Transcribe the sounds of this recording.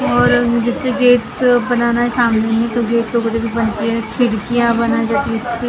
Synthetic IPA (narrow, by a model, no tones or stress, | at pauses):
ɔːɾd͡ʒɛːseɡeːʈ̪bɐnaːnaɦɛsaːmnemẽt̪oɡeːt̪ːoɡɐd̪ebʱibɐnt̪iɦɛkʰɪɽkijabɐnaed͡ʒaːt̪iɪske